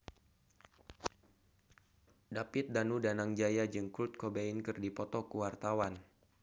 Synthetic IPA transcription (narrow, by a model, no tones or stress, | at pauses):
dapɪt̪̚danudanaŋd͡ʒajad͡ʒɨŋkut̪̚kobeinkɨrdipɔt̪ɔkuwart̪awan